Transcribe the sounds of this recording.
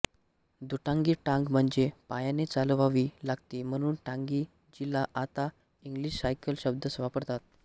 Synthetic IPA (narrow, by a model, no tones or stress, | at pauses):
d̪uʈãŋɡiːʈãŋɡm̤əɳd͡zepajanet͡salʋaʋiːlaɡt̪iːm̤əɽ̃uːnʈãŋɡiː | d͡ʑilaʔat̪a | iŋɡliɕsajkəlɕəb̚d̪ʱəsʋapəɾt̪at̪̚